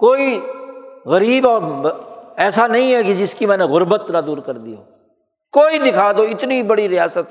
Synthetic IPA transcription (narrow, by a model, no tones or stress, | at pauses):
koːi | ɣəɾiːbɔːɾ | ɛːsanɐĩɦɛkɪd͡ʒɪskimɛ̃ːneɣʊɾbət̪nãd̪uːɾkəɾd̪iɦo̰ː | koːid̪ɪkʰaːd̪oɪt̪nibɐɽiɾɪjaːsət̪